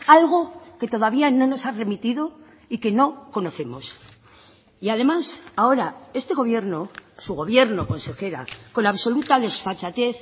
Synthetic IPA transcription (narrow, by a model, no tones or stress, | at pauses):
alɣ̞o̞ke̞t̪o̞ð̞aβ̞iano̞no̞sare̞mit̪iðo̞ | ike̞no̞ko̞no̞θe̞mos | iaðe̞masao̞ɾae̞st̪e̞ɣ̞o̞βje̞ɾno̞suɣo̞βje̞ɾno̞ko̞nse̞xe̞ɾa̰ko̞naβso̞lut̪aðe̞sfat͡ʃat̪e̞θ